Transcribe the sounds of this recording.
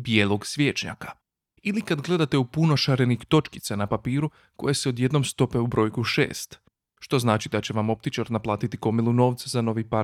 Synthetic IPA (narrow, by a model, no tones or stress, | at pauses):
bje̞ːlˠo̞ɡsʋje̞t͡ʃɲa̰kḁ | ilikad̪ɡlˠe̞d̪at̪eupuno̞ʃaɾenixt̪o̞t͡ʃki̥t̪sanapapiːɾu | ko̞̰jeseo̞d̪je̞d̪no̞mst̪o̞pe̞ubɾo̞ːjkuʃe̞̰ːst̪ | ʃt̪o̞znaːt͡ʃid̪at͡ɕe̞ʋamo̞p̚t̪it͡ʃaɾnaplˠaːt̪it̪iko̞milˠuno̞ːʋt̪szano̞ʋipaɾ